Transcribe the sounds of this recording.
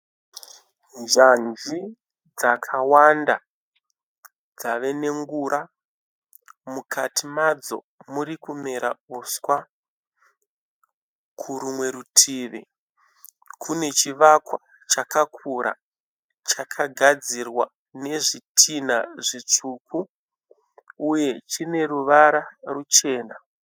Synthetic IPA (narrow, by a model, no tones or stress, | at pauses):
nʐanzi | d͡zakʰawanda | d͡zaʋe̞ne̞ŋɡuɾʔa | mukatʰimad͡zo̞̰ | muɾikumeɾa̰uswa | kʰuɾumwe̞ɾutʰiːʋḛ | kʰune̞t͡ʃiʋakwa | t͡ʃakakʰuɾa̰ | t͡ʃakʰaɡʱad͡zirwa | ne̞ʐitʰinaʐit͡ʂukʰu | je̞t͡ʃine̞ruʋaɾarut͡ʃe̞ːna